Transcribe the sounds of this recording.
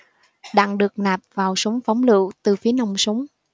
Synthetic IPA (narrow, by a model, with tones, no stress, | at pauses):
ɗa̰˧˨ŋɗɨ˨˩ək̚naː˨˩p̚vaː˨˩wsə˨˦wŋ͡mfɔ˨˦wŋ͡mlɨ̰˧˨wt̪ɨ˨˩fi˨˦əna˧wŋ͡msə˨˦ŋ͡m